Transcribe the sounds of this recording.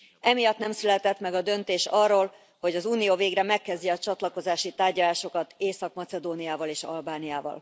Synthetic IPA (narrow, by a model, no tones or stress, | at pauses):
ɛmijɒt̪nɛmsylɛt̪ɛt̪mɛɡɒd̪ø̞nt̪eːʃɒrːoːl | ho̞ɟɒzuːnijoːveːɡrɛmɛkːɛzɟiɒt͡ʃɒt̪lɒko̞zaːʃit̪aːrɟɒlaːʃo̞kɒt̪eːsɒkmɒt̪sɛd̪oːnijaːvɒleːʃɒ̰lbaːnijaːvɒ̰l